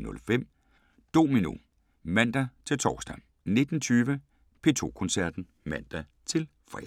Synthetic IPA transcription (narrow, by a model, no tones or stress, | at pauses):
nɔ̽lfem̰ | d̥o̝̰ːminṵ | mæn̰d̥æt͡sʰe̝lt͡sʰɒːsd̥æ | ne̝d̥n̩t͡sʰyːʋə | pʰe̝ːt͡sʰo̝̰ːkʰɔ̽nsæɐ̰d̥n̩ | mæn̰d̥æ | t͡sʰe̝l | fʁɛ̰